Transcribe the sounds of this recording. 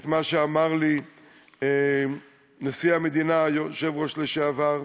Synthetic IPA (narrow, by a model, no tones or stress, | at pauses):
t̪maʃeamaʁli | e | nasiamed̪inajoʃevʁoʃleʃeavaʁ